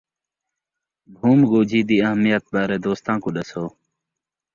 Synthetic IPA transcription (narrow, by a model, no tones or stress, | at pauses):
bʱuːmɡoːd͡ʑʱiːd̪iːəɦmijət̪̚baːɾeːd̪oːst̪ãːkuɗɐsoː